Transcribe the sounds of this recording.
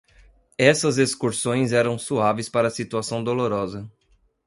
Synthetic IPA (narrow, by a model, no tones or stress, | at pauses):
ɛsɐzeskuɾsõj̃zɛɾɐ̃w̃suavespaɾɐːsit̪uasɐ̃w̃d̪oloɾɔzɐ